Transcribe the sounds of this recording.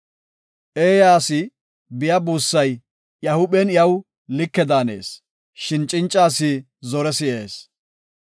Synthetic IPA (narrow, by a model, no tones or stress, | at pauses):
ʔeːjaːsɪ | bɪjɐbuːsːɐj | jɐhʊɓɛnjɐw | lɪkːɛd̪aːne̞̰ːs | ʃɪnt͡ʃʼɪnt͡ʃʼːaːsɪ | zɔɾɛsɪʔeːs